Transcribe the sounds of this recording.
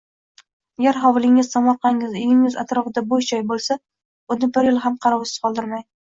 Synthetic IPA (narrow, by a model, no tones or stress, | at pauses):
aɡʲaɾɦɒwlˠɪŋɪz̥samɒɾqɑŋɪzɪjɪŋɪza̰t̪ɾɒfɪd̪aboʃt͡ʃɒjbolˠsa | ʊnɪbɪɾjɪlˠɦamqʰɑɾɒwɪsɪ̥z̥qʰɒlˠd̪ɪɾmaj̪